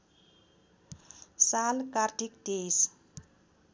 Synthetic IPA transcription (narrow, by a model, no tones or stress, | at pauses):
salkardʱik̚d̥es